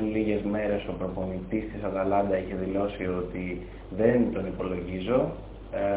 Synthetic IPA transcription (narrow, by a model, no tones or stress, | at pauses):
liʝe̞zme̞ɾe̞sopɾo̞po̞nit̪ist̪isɐɣɐlɐnd̪ɐiçe̞ðilo̞sio̞t̪i | ðe̞nt̪o̞nipo̞lo̞ʝizo̞